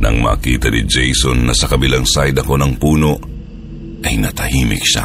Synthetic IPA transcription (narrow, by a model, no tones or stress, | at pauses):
nɐ̰ŋma̰ːkiːt̪ɐnid͡ʒɛjsonːɐsɐkɐbɪlaŋsajd̪ɐko̞nɐŋpuːno̞ʔ | ʔɐjnɐt̪ɐhiːmɪ̰k̚ʃa̰